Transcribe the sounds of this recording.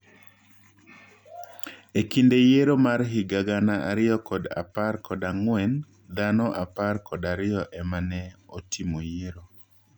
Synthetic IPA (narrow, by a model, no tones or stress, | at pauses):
ekindejeɾomaɾɦiɡaɡanaʔaɾɪɔkɔda̰parkʰɔdaŋwɛn | d̪anɔʔaparkɔdaɾɪjɔʔɛmanɛotʰimojeɾo